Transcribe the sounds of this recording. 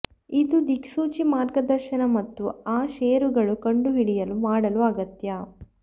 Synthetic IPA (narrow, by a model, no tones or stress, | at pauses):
id̪ud̪ikʂuːt͡ʃimaːɾɡɐd̪ɐɾʃɐnɐmɐt̪ːuaːʃeːɾuɡɐɭukɐɳɖuʋiɽijɐlumaːɽɐluɐɡɐt̪jɐ